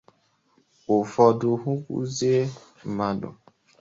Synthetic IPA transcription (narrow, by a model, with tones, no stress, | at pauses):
ʊ˨fɔ˨dʊ˨ɦu˦kʷṵ˦ze˦˨ | ma˨dʊ̰˨